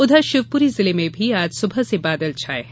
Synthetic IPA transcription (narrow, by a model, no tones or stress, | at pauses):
ʊd̪ʱəʃɪʋpuɾizɪlemẽbʱiaːd͡ʒsʊbʱəsebaːd̪əlt͡ʃʰaːe